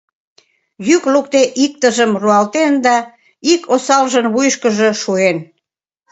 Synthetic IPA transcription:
jyklukt̪eʔik̚t̪əʒəmruɑlt̪end̪ɑ | ikʰosɑlʒənβujʃkəʒəʃuen

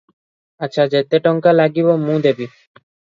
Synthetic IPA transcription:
atːɕʰad͡ʑet̪eʈɔŋkalaɡibomũd̪ebi

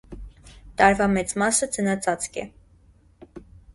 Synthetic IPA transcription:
t̪ɑɾvɑmɛt͡smɑsəd͡zənɑt͡sʰɑt͡skʰɛ̰

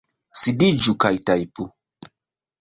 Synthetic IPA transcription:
sidid͡ʒukajtajpu

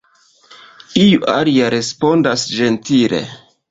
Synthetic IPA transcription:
ijuʔaliaɾe̞spo̞ndasd͡ʒe̞ntile̞̰

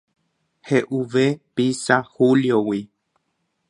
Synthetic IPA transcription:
heʔuʋepisahuljowi

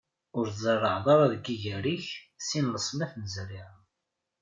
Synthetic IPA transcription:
ʊɾθzˤərˤːəʕðˤɑɾˤɑðɡiʝəɾiçsinləsˤmæθnəzriʁ

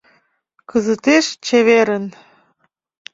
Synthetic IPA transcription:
kəzət̪eʃt͡ɕeβeɾən

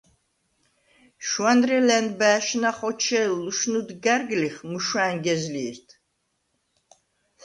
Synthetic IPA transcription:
ʃwanɾɛlɛnbæːʃnaχɔt͡ʃʰɛlːuʃnud̪ɡaɾɡliχmuʃaːŋɡɛzliːɾt̪ʰ

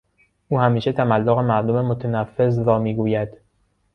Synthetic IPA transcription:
ʔuːhæmiːʃe̞t̪ʰæmælːoɣemæɾd̪omemot̪ʰænæfːe̞zɾɒːmiːɡuːjæd̪̥

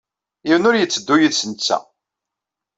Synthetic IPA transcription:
iwnʊɾjət͡sːəd̪ːujəðsənt͡sːæ̰

